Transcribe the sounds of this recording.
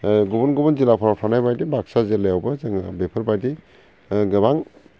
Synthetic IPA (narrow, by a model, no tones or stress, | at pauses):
ɡubɔnɡubɔnzilapʰaɾapʰanajbajdibaksazelajawbɐzɯŋabepʰɯɾbajdi | ɡɯbaŋ